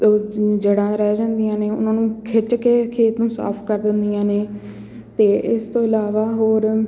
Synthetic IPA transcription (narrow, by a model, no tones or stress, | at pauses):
d͡ʒəɽãːɾɛːd͡ʒãːnd̪ijãːneːʊ̰nãːnũːkʰɪʈkeːkʰeːt̪nũːsa̰ːpʰkəɾd̪ɪnd̪ijãːneː | t̪eːʔɪst̪õːɪlaːʋaːɦoːɾ